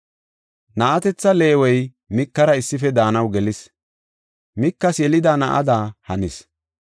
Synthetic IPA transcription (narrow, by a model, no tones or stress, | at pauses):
nɐʔɐt̪ɛt͡sːɐle̞ːwɛj | mɪkːɐɾɐɪsːɪfɛd̪aːnɐwɡɛlɪs | mɪkːɐsjɛlɪd̪aːnɐʔɐ̰d̪aːhɐnɪs